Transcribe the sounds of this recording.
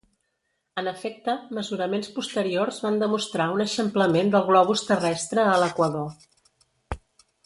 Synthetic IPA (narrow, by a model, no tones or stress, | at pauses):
ənəfɛk̚t̪əməzuɾəmenspust̪əɾiorzβand̪əmust̪ɾaunəʃəmpləmend̪əlˠɣlɔβ̞ust̪ərɛst̪ɾəːləkwəðo